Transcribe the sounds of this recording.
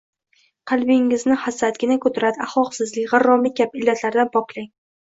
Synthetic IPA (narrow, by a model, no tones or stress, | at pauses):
qʰɑlˠbɪŋːɪznɪhasat̪ɡʲɪnakʰɵt̪ʰʊɾad̪ɪaχɒqsɪzlɪkʲʁarːɒmɪkʲapɪlːat̪ʰlaɾd̪anpʰɒklaŋ